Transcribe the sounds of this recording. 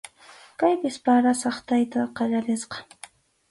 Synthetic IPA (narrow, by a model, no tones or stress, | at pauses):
kajpɪspaɾasɑχt̪ajt̪aqɑʎaɾɪsqɑ̥